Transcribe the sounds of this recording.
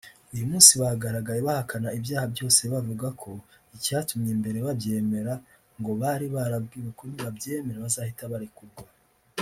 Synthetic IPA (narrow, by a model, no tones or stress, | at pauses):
ujumuːnsiβahaɡaɾaɡajeβahakʰanaibjaːhabjo̞ːse̞βavuɡakʰo̞ | icatumɲembe̞ɾeβabje̞ːme̞ɾa | ŋɡo̞βaɾiβaɾabɡiːɾekoniβabjeːme̞ɾaβazahitaβaɾikuɾɡwa